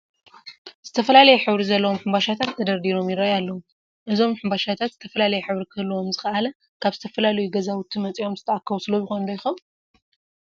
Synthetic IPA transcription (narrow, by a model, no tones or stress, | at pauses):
z̥ɨt̪ʰɐfɐlalɐjɛħɨβɾizɐlːɐwo̞mħɨmbaʃat̪ʰat̪ʰːɐd̪ɐɾd̪iɾo̞mjɪɾajalːɐwu | ʔɨzo̞mħɨmbaʃat̪ʰat̪z̥ɨ̥t̪ʰɐfɐlalɐjɛħɨβɾikʰɨlːuwo̞mzɨxɐʔalɐ | kʰaβzɨ̥t̪ʰɐfɐlalɐjuɡɐzawʊt̪ʰimɐt͡sʼio̞mzɨt̪ʰɐʔakːɐβusɨlobɪxond̪ojɪxɐβ